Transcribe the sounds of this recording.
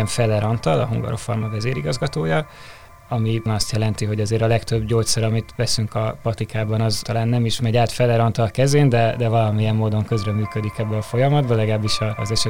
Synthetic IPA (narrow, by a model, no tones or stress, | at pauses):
ɛɱfɛlɛɾɒnt̪ɒlɒ̰ɦṵŋɡɒ̰ɾofo̰rmɒvɛzeːɾiɡɒzɡɒt̪oːjɒ | ɒminɒst̪jɛlɛnt̪iɦo̞ɟɒzeːɾɒlɛkt̪ø̞bɟoːt̪sɒɾɒmit̪ʋɛsyŋkɒpɒt̪ikʰaːbɒnɒzt̪ɒlaːnːɛmiʃmɛɟaːt̪fɛlɛɾɒnt̪ɒlɒkɛzeːnd̪ɛd̪ɛvɒlɒmijɛmːoːd̪o̞ŋkø̞zrɛmyːkød̪ikɛbːɛɒfo̞jɒmɒd̪bɒlɛɡaːbːiʃɒzɛʃɛ